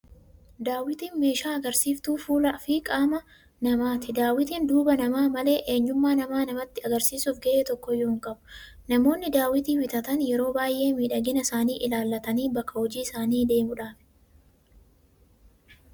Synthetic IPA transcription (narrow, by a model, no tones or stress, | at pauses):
d̪aːwɪt̪iːnme̞ːʃaːɐɡɐɾsiːft̪uːfuːlɐʔfɪkʼaːmɐ | nɐmaːt̪ɪd̪aːwɪt̪iːnd̪uːbɐnɐmaːmɐle̞ːʔe̞ːɲːʊmːaːnɐmaːnɐmɐt̪ːɪɐɡɐɾsiːsuːfɡɐʔeːt̪ɔkːɔjːʊːɪŋkʼɐbʊ̥ | nɐmo̞ːnːɪd̪aːwɪt̪iːwɪt̪ɐt̪ɐnjɛɾo̞ːbaːjʔe̞ːmiːᶑɐɡɪnɐsaːniːʔɪlaːlːɐt̪ɐniːbɐkːɐhɔd͡ʒiːɪsaːniːd̪e̞ːmʊᶑaːf